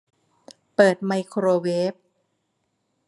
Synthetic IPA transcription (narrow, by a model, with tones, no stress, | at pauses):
pɤː˨˩t̪̚ma˧jkʰɾoː˧weː˦˥p̚